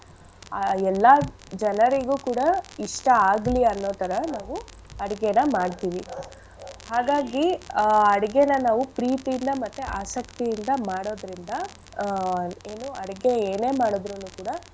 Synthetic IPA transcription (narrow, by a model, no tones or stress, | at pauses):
ɛlːɐ | d͡ʒɐnɐɾiɡuːkuːɽɐiʂʈɐaːɡliɐnːoːt̪ɐɾɐnaːʋu | ɐɽiɡenɐmaːɽt̪iːʋi | haːɡaːɡiɐɽiɡenɐnaːʋupɾiːt̪ijind̪ɐmɐt̪ːuaːsɐkt̪ijind̪ɐmaːɽo̞ːd̪ɾind̪ɐ | eːnuɐɽiɡe̞eːne̞ːmaːɽod̪ɾunuːkuːɽɐ